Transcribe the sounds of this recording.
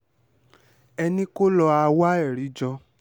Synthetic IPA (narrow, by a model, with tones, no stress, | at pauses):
ɛ˧nĩ˦ko˦lɔ˧a˧wa˦ɛ˦˨ɾi˨˦d͡ʒɔ˧